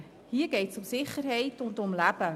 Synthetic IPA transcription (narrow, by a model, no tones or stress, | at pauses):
hiːrɡejtsɔmsɪχərɦɛjtɔntəɔmlæpə